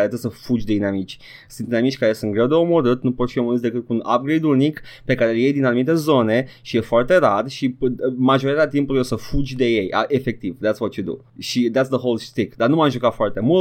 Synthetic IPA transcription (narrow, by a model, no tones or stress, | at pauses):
aɾet̪ɨsəfud͡ʒʲd̪e̞d̪inamit͡ʃʲ | sɨnt̪inamit͡ʃʲkaɾe̞sunt̪̚ɡɾe̞wd̪e̞o̞mo̞ɾɨt̪nupot̪fio̞moɾɨt̪sd̪e̞kɨt̪̚kuuna̰p̚ɡɾejd̪ulnikpe̞kaɾelje̞jd̪inanumit̪e̞zo̞ne̞ʃije̞foart̪e̞ɾarʃimaʒo̞ɾit̪aat̪̬impulujosəfud͡ʒʲd̪e̞je̞ja̰ʔefe̞k̚t̪ivd̪æt̪svat͡ʃed̪ṵ | ʃid̪æt̪sðəɦolˠst̪ɾikd̪arnumamʒukafoart̪e̞mul